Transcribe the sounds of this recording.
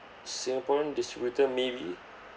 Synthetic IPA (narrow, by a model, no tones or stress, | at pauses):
sĩŋapɔɹə̃ndistibjutəmevi